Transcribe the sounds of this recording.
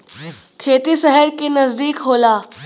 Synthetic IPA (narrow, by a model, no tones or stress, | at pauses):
kʰeːt̪isɛɦəɾkenɐzd̪iːkɦoːlaː